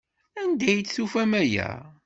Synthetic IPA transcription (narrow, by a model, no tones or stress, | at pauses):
ænd̪æjət͡sːθufæmæjæ̰